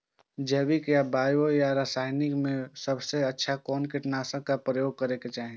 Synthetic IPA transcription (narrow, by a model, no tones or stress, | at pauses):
d͡ʒɛːbikjabaːjojaɾaːsaːɪnɪkmẽsəbseətːʃʰakɔːnkɪʈnaːsəkapɾəjoːɡ̚kəɾeket͡ʃaːɦĩ